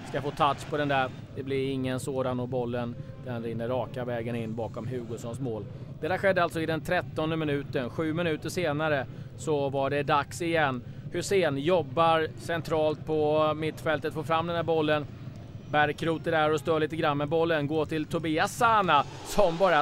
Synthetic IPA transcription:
skafoːt̪ʰat̪ʂpʰɔd̪ɛnd̪æɾ | d̪̥ɛblɪɾɪŋːənsoːd̪anːɔbɔlːənd̪̥ɛnɾɪnːəɾːɑːkavɛːɡənɪnːbɑːkɔmɦʉ̟ːɡʊsɔnsmoːld̪̥ɛt̪ːæːɾɧɛd̪ːəalt̪sɔɪd̪ɛnt̪ʰɾɛt̪ːɔnd̪əmɪnʉ̟ːt̪ənɧʉ̟ːmɪnʉ̟ːt̪əʂeːnaɾə | sɔvaɖɛd̪aksɪjɛnː | hɵseːnjɔbːaɾsɛnt̪ʰɾɑːlt̪̚pʰɔmɪt̪ːfɛlt̪ət̪foːɾfɾamd̪ɛnd̪æːɾbɔlːən | bæɾkɾuːt̪əɖæɾɔst̪øːɭiːt̪əɡɾanːmɛbɔlːənɡoːʈʰɪlt̪ʰʊbiːasaːna | sɔmbɑːɾa

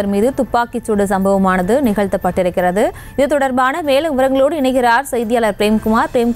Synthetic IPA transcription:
ɐɾmiːðɯt̪ʊpːaːkɪt͡ʃːoɽɯs̬ɐmbɐʋɐmaːnɐðɯnɪɣɐɭt̪ːɐpːɐʈːɪɾɯkːɪrɐðɯ | ɪðɯt̪ɔɽɐɾbaːnɐmeːlɯmʋɯɾɐŋɡɐɭoːɽɯɪɳɐɪɣɪɾaːɾsɐjðɪjaːlɐɾpɪɾeːmkʊmaːɾpɪɾeːm

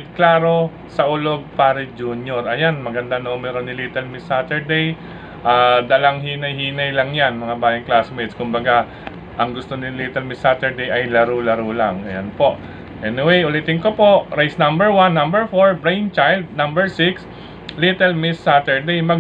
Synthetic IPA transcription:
klaːɾo̞ | sɐʔʊloɡ̚paːɾɪd͡ʒuːnjoɹʔɐjanmɐɡɐnd̪anomɛɾo̞nɪlit̪ɛlmɪsːat̪ɛɹd̪ej | ʔaːd̪ɐlɐŋhiːnɐjhiːnɐjlɐŋjanmɐŋabaːjɐŋklasmɛjt̪skʊmbɐɡa | ʔɐŋɡʊst̪o̞nɪlit̪ɛlmɪsːat̪ɛɹd̪ejʔɐjlɐɾulɐɾuːlaŋɐ̰janpo̞ʔ | ʔɛnɪwejʊlit̪ɪŋkopo̞ʔɹajsnɐ̃mbɛɹwanːɐ̃mbɛɹfoɹbɹejnt͡ʃajld̪̚nɐmbɛɹsɪks | lit̪ɛlmɪsːat̪ɛɹd̪ejmɐɡ

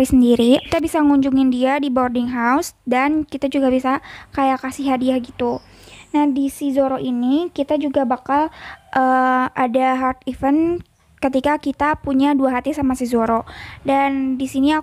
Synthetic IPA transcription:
isəndiɾit̪abisaŋuɲd͡ʒuŋɪndiadibordɪŋɦausdankit̪ad͡ʒuɡabisakajakasiɦadiahɡit̪u | nahdisizoɾoʔinikit̪ad͡ʒuɡabakalʔəadaɦart̪̚ifən | kət̪ikakit̪apuɲaduaɦat̪isamasizoɾodandisinia

